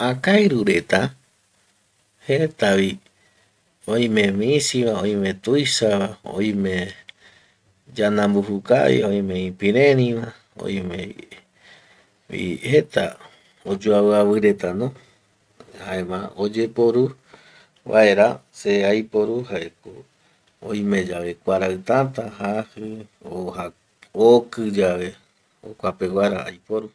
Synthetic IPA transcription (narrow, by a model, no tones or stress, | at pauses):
ãkajɾuɾe̞t̪a | het̪aβi | õj̃mẽ̞mĩsiβãõj̃mẽ̞t̪ujʃaβao̰ĩmẽ̞ | d͡ʒanãmbuhuka̰βḭõ̞j̃mẽ̞ĩpĩɾeɾĩmã | o̰ĩmẽ | ḭhe̞t̪a | od͡ʒuawɨaβɨɾe̞t̪anõ | haemãod͡ʒe̞poɾu | βʔa̰eɾaseajpo̞ɾuhaeko | õ̰j̃mẽ̞d͡ʒaʋe̞kʷaɾaɨt̪at̪ahahɨ | oha | okɨd͡ʒaʋe̞ | o̰kʷapewaɾa̰a̰jpoɾu